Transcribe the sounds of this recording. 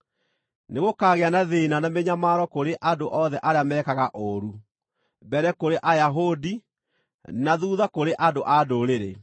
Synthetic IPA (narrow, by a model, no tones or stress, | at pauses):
neɣokaːɣeanaðenanameɲamaːɾɔkoɾeʔadoʔɔðɛʔaɾeamɛkaɣaʔoɾu | bɛɾɛkoɾeʔajaɦodi | naðuːðakoɾeʔadoʔadoɾeɾḛ